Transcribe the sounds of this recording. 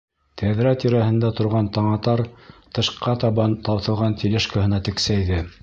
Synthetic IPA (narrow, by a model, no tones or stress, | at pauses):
t̪ʰæðɾæt̪iɾæɦɘ̆nd̪æt̪ŏɾʁɑnt̪ɑɴɑt̪ɑɾt̪ɤ̆ʃqɑt̪ɑβɑnt̪ɑwθɤ̆lˠʁɑnt̪ʰilʲɘʃkahɤ̆nɑt̪ɘ̆ksæjðɘ